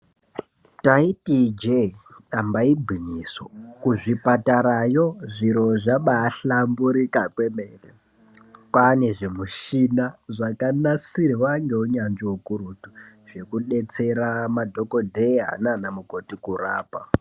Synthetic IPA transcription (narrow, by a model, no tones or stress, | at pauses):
taitid͡ʒeɗambaibʱwiɲiso̰kuʐipataɾajo̞ʐiɾo̞ʐaɓaːɬambuɾikakwe̞me̞ːre | pane̞ʐe̞muʃinaʐakanasiɾiwaŋɡe̞uɲand͡ʒiokuɾutuʐe̞kuɗe̞t͡se̞ɾamadʱo̞ko̞dʱeɦa̰nanamuko̞tikura̰ːpa